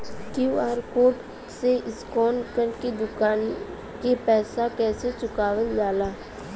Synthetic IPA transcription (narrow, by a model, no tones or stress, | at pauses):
kjuːaːɾkoːʈ | seʔɪskɔːnkənked̪ʊkaːn | kepɛːsakɛːset͡ʃʊkaːʋəld͡ʒaːlaː